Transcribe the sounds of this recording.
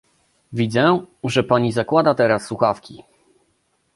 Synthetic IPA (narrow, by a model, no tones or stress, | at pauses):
vʲid̪zɛʐɛpaɲizakwad̪at̪ɛɾasːwuxafkʲi